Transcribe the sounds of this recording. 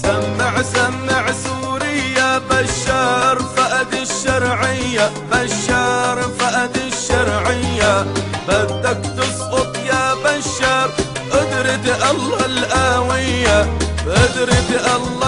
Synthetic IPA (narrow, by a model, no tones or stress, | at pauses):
samːaʕsamːaʕsuːɾɪjːabaʃːɑːɾˤfaʔad̪iʃːɑɾˤʕɪjːa | baʃːɑːɾˤfaʔad̪iʃːɑɾˤʕɪjːabat̪ːakt̪ʊsˤʔʊt̪ˤjaːbaʃːaɾˤ | ʔɪd̪ɾit̪ʔalːɑlʔaːwɪjːabʔɪd̪ɾit̪ʔalːɑ